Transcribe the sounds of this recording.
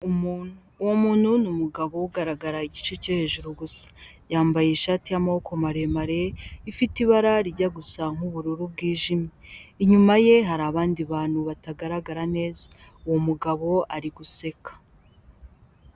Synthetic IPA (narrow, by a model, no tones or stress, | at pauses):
umunuwomuːnhunumuɡaβo̞uɡaɾaɡaɾaiɟit͡ʃecehe̞ʒuɾuɡusḁ | jaːmbaje̞iʃaːtijamaho̞ko̞maɾe̞maɾe̞ifitiβaɾaɾiɟaɡusaŋ̥uβuɾuɾub̚ɡiːʒimɲeiɲumaje̞ɦaɾaːβaːndiβaːn̥huβataɡaɾaɡaɾane̞ːzḁ | uwo̞muɡaβo̞ʔaɾiɡuse̞kḁ